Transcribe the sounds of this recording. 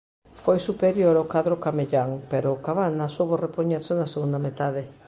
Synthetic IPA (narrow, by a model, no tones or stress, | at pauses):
fojsupeɾjoɾawkaðɾokameʎaŋpeɾʊkaβanasowβorepoɲeɾsenaseɣund̪amet̪aðe